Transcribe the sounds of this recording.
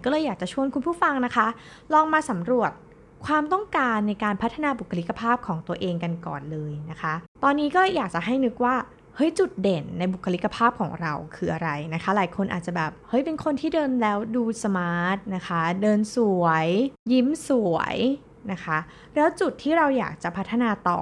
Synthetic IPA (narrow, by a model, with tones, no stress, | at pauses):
kɔː˥˩lɤː˧jːaː˨˩k̚t͡ɕa˨˩t͡ɕʰu˥˩ənkʰu˧npʰuː˥˩fa˧ŋna˦˥kʰa˦˥ | lɔː˧ŋmaː˧sa˩˦mɾu˨˩ət̪̚ | kʰwaː˧mt̪ɔ˥˩ŋkaː˧nːa˧jkaː˧npʰa˦˥t̪ʰːa˧naː˧bu˨˩kʰːa˧li˦˥kːa˧pʰaː˥˩p̚kʰɔː˩˦ŋt̪u˧ɐʔeː˧ŋka˧nkɔ̰ː˨˩nlɤː˧jna˦˥kʰa˦˥t̪ɔː˧nːiː˦˥kɔː˥˩lɤː˧jːaː˨˩k̚t͡ɕa˨˩ɦa˥˩jnɯ˦˥k̚waː˥˩ | hɤ˦˥jt͡ɕu˨˩t̪̚de˨˩nːa˧jbu˨˩kʰa˧li˦˥ka˧pʰaː˥˩p̚kʰɔː˩˦ŋɾa˧wkʰɯː˧ʔa˧ɾa˧jna˦˥kʰa˦˥laː˩˦jkʰo˧nʔa̰ː˨˩t̪̚t͡ɕa˨˩bɛː˨˩p̚hɤ˦˥jpe˧nkʰo˧nt̪ʰiː˥˩dɤː˧nlɛː˦˥wduː˧sa˧maː˦˥t̪̚na˦˥kʰa˦˥dɤː˧nsu˨˩˦əjji˦˥msu˨˩˦ə˦j | na˦˥kʰa˦˥ | lɛː˦˥wt͡ɕu˨˩t̪ʰːiː˥˩ɾa˧wja̰ː˨˩k̚t͡ɕa˨˩pʰa˦˥t̪ʰːa˧naː˧t̪ɔ̰ː˨˩